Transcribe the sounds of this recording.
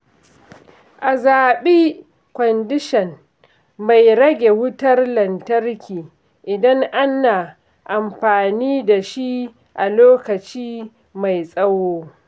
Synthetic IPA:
ʔa˨zaː˨ɓiː˦ | kʷɔ˨ndɪ˦ʃɛ˨n | ma˨jɾɐ˦ɡʲe˨wʊ˦tɐ˦rlɐ˨ntɐ˦rkʲiː˨ | ʔɪ˨dɐ˦ŋʔa˦na˨ | ʔa˨mɸaː˨niː˦da˨ʃi˦ | ʔa˨loː˦kɐ˨t͡ʃiː˦ | ma˨jsʼɐ˦woː˦

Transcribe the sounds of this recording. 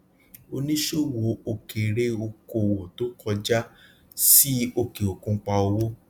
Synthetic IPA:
o˧nĩ˦ʃo˦wo˨˦o˧ke˨ɾe˦o˧ko˧˨wo˨to˨˦kɔ˧d͡ʒa˦ | si˦o˧ke˨o˨kũ˧˦k͡pa˧o˧wo˦

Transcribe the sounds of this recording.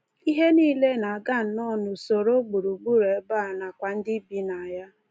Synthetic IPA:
i˦ɦe˦niː˦le˦na˨a˨ɡa˦˨n̩˨˦nɔ˦nʊ˨so˨ɾo˦ɡ͡bu˨ɾu˨ɡ͡bu˦ɾe˨˦ba˦˨na˨kʷa˨n̩˦dɪ˦bi˦na˨ja˦

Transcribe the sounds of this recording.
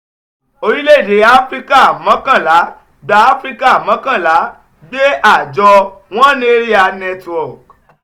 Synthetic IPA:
o˧ɾi˦le˦˨de˨˦a˦fɾi˦ka˦a˨mã˨˦kã˦˨la˨˦ | ɡ͡ba˧˦a˦fɾi˦ka˦a˨mã˨˦kã˦˨la˨˦ | ɡ͡be˦ʔa˦˨d͡ʒɔ˧w̃ɔ̃˦nĩ˦e˦ɾi˦a˧nɛ˧twɔ˨k̚

